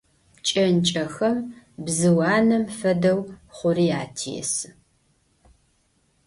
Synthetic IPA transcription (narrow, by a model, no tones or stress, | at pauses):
t͡ʃʼɐnt͡ʃʼɐxɐmbzɨwɑːnɐmfɐdɐwχʷʊriːaːtʰijɛ̰sɨ